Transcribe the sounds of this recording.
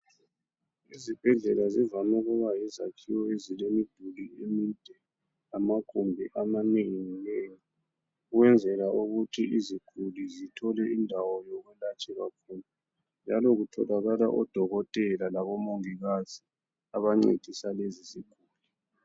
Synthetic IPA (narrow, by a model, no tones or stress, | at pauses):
izib̥ʱɛɮɛlazivamɛɣɔβajizakʰiwɔezilemiɡ̥ʱuliemid̥ʱɛ | amaɡ̥ʰʱumbʱiʔamaneŋŋineːŋi | uwɛnd͡zʱɛlaʔuɣutʰiiziɡ̥ʱulizitʰɔlɛindʱawɔjɔɣwɛlat͡ʃʼɛɣakʰuːna | nd͡ʒʱalɔɣutʰɔlaɣalaʔɔd̥ʱɔɣɔtʼɛlalaβɔmoŋiɣaz̥i | aβaŋ͡ǀḛd̥ʱisaleziziɡ̥ʱuːli